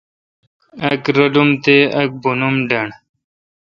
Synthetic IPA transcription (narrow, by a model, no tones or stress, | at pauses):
ɐkɾɐɖumt̪eɐk̚bunumɖɐɳ